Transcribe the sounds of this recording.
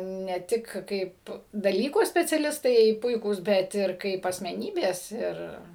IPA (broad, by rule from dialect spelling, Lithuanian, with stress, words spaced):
nʲɛ ˈtʲɪk ˈkɐɪp dɐˈlʲiːkoː sʲpʲɛt͡sʲɛˈlʲɪstɐɪ ˈpʊɪkuːs ˈbʲɛt ˈɪr ˈkɐɪp ɐsʲmʲɛˈnʲiːbʲeːs ˈɪr